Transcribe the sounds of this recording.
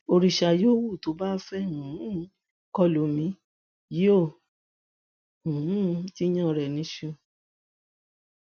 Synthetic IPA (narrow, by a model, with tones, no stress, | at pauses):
o˧ɾi˧˨ʃa˧joː˦wu˦˨to˨˦ba˦fɛ˦hũ˨˦ | kɔ˦˨lo˨˦mĩ˨˦ | ji˦o˦˨ | hũ˨ũ˦ti˦jã˦˨ɾɛ˨nĩ˨˦ʃũ˦˧˨